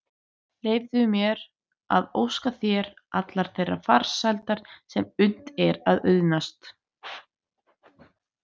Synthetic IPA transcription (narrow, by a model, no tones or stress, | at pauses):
leːjvðʏmjɛɾ | a̰ðowskaθjɛɾʔat̪laɾ̥θejrːa̰faɾ̥sajlt̪aɾ̥sɛmʏnt̪ɛɾaðœðnast̪